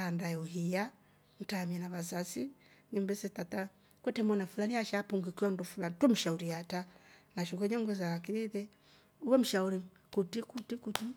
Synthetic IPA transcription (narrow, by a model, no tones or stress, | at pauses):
ndajuɦija | n̩tamanaβazasinimbɛsɛtata | kwɛtɛmɔnafulaniaʃapuŋɡikiɔndɔfulanitwɔm̩ʃauɾiatanaʃuɡɔɲɛŋɡwɛzawakiɾiðɛ | uwɛm̩ʃauɾi | kutikutikuti